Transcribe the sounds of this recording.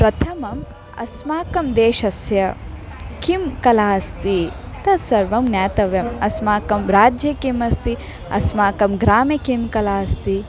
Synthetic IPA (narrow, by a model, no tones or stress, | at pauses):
pɾɐt̪ʰɐmɐm | ɐ̰smaːkɐmd̪eːʃɐsjɐ | kimkɐlaːst̪i | t̪ɐsɐɾʋɐmnjaːt̪ɐʋjɐmɐsmaːkɐmɾaːd͡ʒjɐkimɐst̪i | ɐ̰smaːkɐmɡɾaːmɐkimkɐlaːst̪i